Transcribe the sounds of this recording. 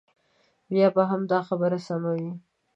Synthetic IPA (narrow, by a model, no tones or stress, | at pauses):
bjɑbaɦamd̪ɑxabəɾasamawi